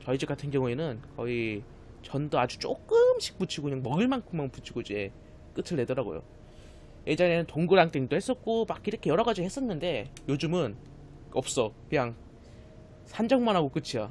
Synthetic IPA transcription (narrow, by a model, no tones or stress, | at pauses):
t͡ɕʌid͡ʑik͈atʰɯnɡjʌŋue̞nɯnkʌi | t͡ɕʌndʌad͡ʑut͡ɕ͈ok͈ɯmɕʰi̥k̚p͈ut͡ɕʰiɡokɯɲaŋmʌɡɯɭmankʰɯmːʌnput͡ɕʰiɡoid͡ʑe̞ | k͈ɯtʰɯɭːe̞dʌɾaɡo̰jo̰ | je̞d͡ʑaŋenɯntoŋɡɯɾaŋt͈eŋdohes͈ʌt̚k͈omakiɾʌkʰe̞jʌɾʌɡad͡ʑihes͈ʌnːɯnde̞jod͡ʑumɯn | ʌp̚s͈ʌkɯɲaŋ | sʰand͡ʑʌŋmanɦaɡok͈ɯt͡ɕʰija